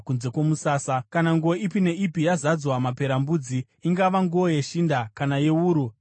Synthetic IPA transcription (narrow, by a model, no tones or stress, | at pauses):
kunze̞kwo̞musaːsakanaŋɡuoʔipine̞ʔipijazad͡zwamape̞ɾambud͡zi | iŋɡaʋaŋɡuoje̞ʃindakanaje̞uːɾu